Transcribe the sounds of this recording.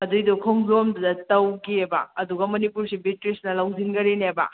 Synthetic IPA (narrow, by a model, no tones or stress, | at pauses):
ɐdujdɔkʰoŋzomdɐdɐtɐwɡiebɐ̰ɐduɡɐmɐnipuɾsibitɾisnɐlɐwzinɡɐɾinebɐ̰